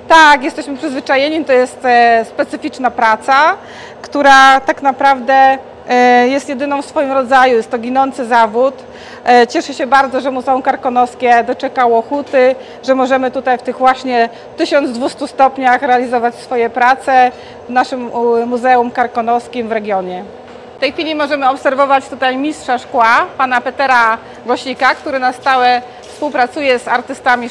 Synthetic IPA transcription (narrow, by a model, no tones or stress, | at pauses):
t̪akjɛst̪ɛɕmɘpʂɘzvɘt͡ʂajɛɲit̪ɔjɛst̪spɛt̪sɘfʲit͡ʂnapɾat̪sa | kt̪uɾat̪aknapɾavd̪ɛ | jɛst̪jɛd̪ɘnɔ̃w̃fsfɔjimɾɔd̪zajujɛst̪ːɔɡʲinɔnt̪sɘzavut̪ | t͡ɕɛʂɘɕɛbaɾd̪zɔʐɛmuzɛumkaɾkɔnɔskʲɛd̪ɔt͡ʂɛkawɔxut̪ɘ | ʐɛmɔʐɛmɘt̪ut̪ajft̪ɘɣvwaɕɲɛ | t̪ɘɕɔnd̪d̪vust̪ust̪ɔpɲaxɾɛalʲizɔvat͡ɕsfɔjɛpɾat̪sɛ | vnaʂɘmːuzɛumkaɾkɔnɔskʲimvɾɛɡʲjɔɲɛ | ft̪ɛjxfʲilʲimɔʐɛmɘɔpsɛɾvɔvat͡ɕt̪ut̪ajmʲistʂaʂkwapanapɛt̪ɛɾa | ɡɔɕikakt̪uɾɘnast̪awɛ | fspuwpɾat̪sujɛzaɾt̪ɘst̪amʲi